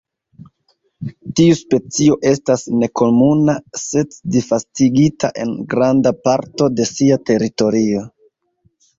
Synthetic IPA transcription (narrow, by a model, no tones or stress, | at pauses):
tiuspe̞t͡sio̞ʔe̞stasne̞ko̞munase̞tdifastiɡitʰa̰ʔe̞̰nɡɾandapaɾto̞de̞siate̞ɾito̞ɾio̞